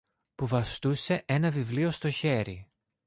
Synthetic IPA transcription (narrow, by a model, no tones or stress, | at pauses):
puvɐst̪use̞ʔe̞nɐvivlio̞st̪o̞çe̞ɾḭ